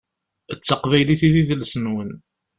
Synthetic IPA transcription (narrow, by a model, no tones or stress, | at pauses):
ət͡sːəqvæjliθiðiðlsnwən